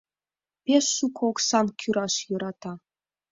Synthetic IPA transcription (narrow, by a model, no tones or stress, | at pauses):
pʲeʃːukʰoksɑnkʲʰyɾɑʃjɤ̆ɾɑt̪ɑ